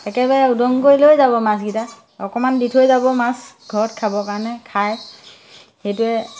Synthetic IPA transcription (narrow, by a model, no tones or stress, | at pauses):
ɛkɛbaɹɛudɔŋkojlojzabɔmasɡita | ɔkɔmanditʰojzabɔmasɡʱɔɹɔtkʰabɔkaɹɔnɛkʰaj | xejtʊɛ